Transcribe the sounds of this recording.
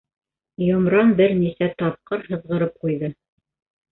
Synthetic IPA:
jŏmɾɑnbɘɾnisæt̪ɑp̚qɤɾhɤ̆ðʁɤ̆ɾɤp̚qujðɤ

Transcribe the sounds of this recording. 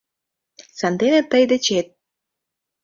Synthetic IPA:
sɑnd̪enet̪əjd̪ĕt͡ɕet̪̚

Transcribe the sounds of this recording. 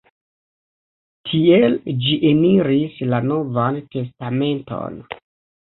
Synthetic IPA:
tʰield͡ʒiʔeniɾislano̞vante̞stame̞nto̞̰n

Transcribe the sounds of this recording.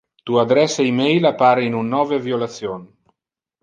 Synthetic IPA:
t̪uad̪ɾɛseimejlapaɾeinunːɔveviolasjon

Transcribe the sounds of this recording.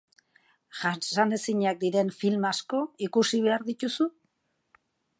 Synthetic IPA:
ʝasane̞siɲak̚d̪iɾe̞nfilmasko̞ikusiβ̞e̞aɾðit̪usu

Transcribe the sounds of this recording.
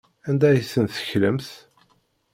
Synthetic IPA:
ænd̪æjəsːənθə̥çləmθ

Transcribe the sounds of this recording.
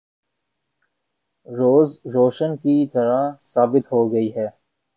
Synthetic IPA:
ɾoːzɾoːʃənkit̪ɐɾasaːbɪt̪ɦoɡɐiɦɛː

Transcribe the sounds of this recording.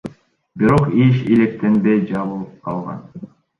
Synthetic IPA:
biɾo̞qiʃilek̚t̪enb̪ejd͡ʒɑβulˠɯp̚qʰɑlˠʁɑ̰n

